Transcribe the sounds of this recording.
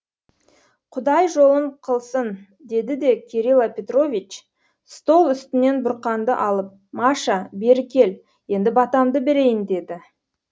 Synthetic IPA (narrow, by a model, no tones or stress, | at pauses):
qʰʊd̪ɑjʒo̞lˠəɴqʰəlˠsən | d̪e̞d̪ɪd̪e̞kʲʰeɾilˠapʲe̞t̪ro̞vʲit͡ʃ | st̪o̞lˠʏst̪ɪne̞nbʊɾqɑnd̪ə̰ʔɑlˠəp̚mɑʃɑbe̞ɾɪkʲʰe̞l | je̞nd̪ɪbɑt̪ɑmd̪əbeɾe̞jɪnd̪e̞d̪ɪ